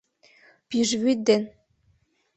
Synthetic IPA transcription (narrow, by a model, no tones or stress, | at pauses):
pyʒβyt̪̚d̪en